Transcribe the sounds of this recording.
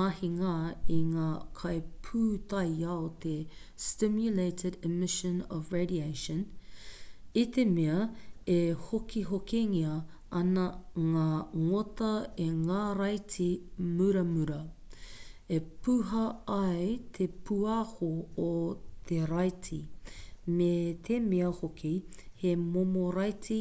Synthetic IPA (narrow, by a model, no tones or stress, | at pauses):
ahiŋaiŋaːkʰɐjpʰut̪ɐjɐot̪ʰe | stɪmjuleɪtɪdɛmɪʃə̃nɔvɹedieɪʃə̃n | it̪ʰemeɐehokiɦokeŋiɐ | ɐnɐŋaːŋotɐeŋaɾɐjtʰimʉɾɐmʉɾɐ | epuɦɐɐjt̪ʰepʰuɐhoː | t̪ʰeɾɐjtʰi | met̪ʰemeɐhokʰihemomoɾɐjtʰi